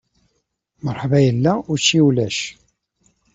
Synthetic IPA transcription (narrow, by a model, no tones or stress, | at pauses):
məɾˤħvæjəlːæʊt͡ʃːiwlæʃ